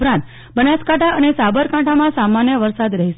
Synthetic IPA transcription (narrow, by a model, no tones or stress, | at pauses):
ɾãnt̪ | bənaskaʈʰaənesabəɾkãʈʰamãsamanjəʋəɾsad̪ɾəɦiʃ